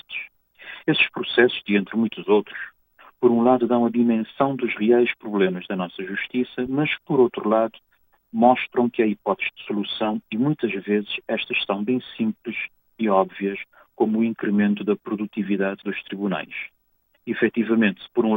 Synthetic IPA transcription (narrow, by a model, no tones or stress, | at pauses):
ʃ | esɨ̥ʃpɾusɛsu̥ʒd̪iẽnt̪ɾmũj̃t̪uzowt̪ɾuʃ | pɔɾũlˠaðuðɐ̃w̃ɐðimẽsɐ̃w̃d̪uʒʁiajʃpɾuβlˠemɐʒðɐnɔsɐʒuʃt̪isɐmɐʃpɔɾowt̪ɾulˠaðu | mɔʃt̪ɾɐ̃w̃kɨaipɔt̪z̥d̪ɨ̥sulˠusɐ̃w̃imũj̃t̪ɐʒvezɨʃɛʃt̪ɐʃsɐ̃w̃bẽj̃sĩmplˠɨʃ | iɔβviɐʃ | komuĩŋkɾɨmẽnt̪uðɐpɾuðut̪iviðaððuʃt̪ɾiβuna̰jʃ | ifɛt̪ivɐmẽnt̪spɔɾũ